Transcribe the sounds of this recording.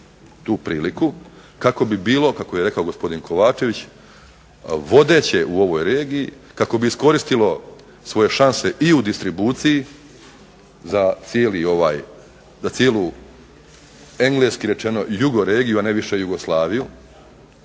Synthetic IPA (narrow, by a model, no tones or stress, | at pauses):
t̪uːpɾiːliku | kako̞bibiːlo̞kako̞je̞ɾe̞kao̞ɡo̞spo̞d̪inkʰo̞ʋaːt͡ʃe̞ʋit͡ɕ | ʋo̞d̪e̞ːt͡ɕe̞ʔuo̞ʋo̞jɾe̞ːɡiji | kako̞biisko̞ɾist̪ilo̞ | sʋo̞je̞ʃanse̞ʔiud̪ist̪ɾibuːt̪siji | zat̪sijeːlio̞ʋaːj | zat̪sjelˠu | e̞ŋɡle̞skiɾe̞t͡ʃe̞no̞juɡo̞ɾeːɡijuaneʋiʃe̞juɡo̞slˠaːʋiju